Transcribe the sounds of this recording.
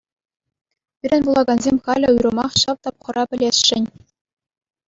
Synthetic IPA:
pʲiɾʲɘ̆nʲvulˠɑɡɑnzʲemʲχɑlʲɘ̆ujɾɤ̆mɑχɕɑʋt̪ɑpχɤ̆rʔɑpʲɘ̆lʲesʲʂɘ̆nʲ

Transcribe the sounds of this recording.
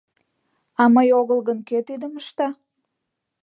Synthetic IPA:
ɑməjoɣəlˠɣənket̪id̪əməʃt̪ɑ

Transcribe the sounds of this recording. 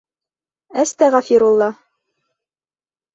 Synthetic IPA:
æst̪æʁæfiɾulˠːɑ

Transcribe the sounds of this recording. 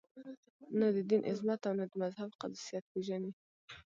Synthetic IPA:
nad̪əd̪inʔɪ̰zmat̪awnad̪əmazhabqad̪sijat̪̚peʒani

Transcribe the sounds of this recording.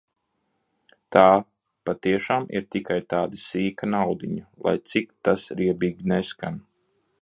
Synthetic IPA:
t̪aː | pat̪iɛʃaːmḭɾt̪ikajt̪aːd̪ɨsiːkanawd̪iɲulˠa̰jt̪sikt̪asɾiɛbiːɡʲineskan

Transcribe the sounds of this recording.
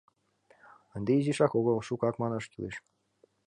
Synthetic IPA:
ə̆nd̪eiziʃɑkoɣɤlʃukɑkmɑnɤʃkilḛʃ

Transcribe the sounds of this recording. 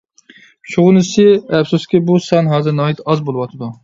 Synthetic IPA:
ʃuʁʊnɨsɨɛfsuskʲibusɑnɦɑːzɨɾnɑːit̪ɑzbolˠɨwɑt̪ʰɨd̪u

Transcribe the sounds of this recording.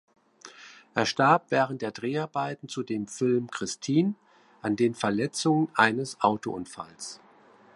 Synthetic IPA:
ʔeːɐʃtaɐp̚v̥ɛːʁəntd̥eːɐdʁeːaɐbaɪtn̩t͡sudeːmfɪlmkʁ̥ɪstʰiːn | ʔandeːnfɛɐlɛt͡sʊŋənʔaɪnəsʔaʊtoʔʊnfa̰ls

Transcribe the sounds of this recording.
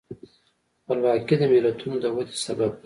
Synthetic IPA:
walwaked̪əmɪlat̪ʰunod̪əwad̪esabab̚

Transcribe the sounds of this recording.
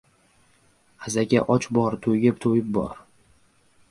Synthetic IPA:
azaɡʲa̰ʔɒt͡ʃbɒɾt̪ʰojɡʲɪpt̪ʰojɪp̚bɒ̰ɾ

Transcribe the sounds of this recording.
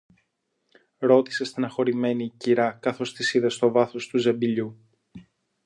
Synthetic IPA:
ɾo̞t̪ise̞st̪inɐxo̞ɾime̞niciɾɐkɐθo̞st̪isiðɐst̪o̞vɐθo̞st̪uze̞mbiʎu

